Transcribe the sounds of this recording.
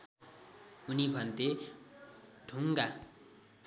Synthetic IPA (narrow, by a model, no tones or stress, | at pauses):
unibʱʌnt̪e | d̪̥ʱuŋɡa